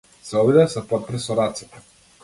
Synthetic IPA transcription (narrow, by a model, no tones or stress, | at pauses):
sɛɔbid̪ɛsɛpɔt̪̚pɾɛsɔɾat̪si̥t̪ɛ̥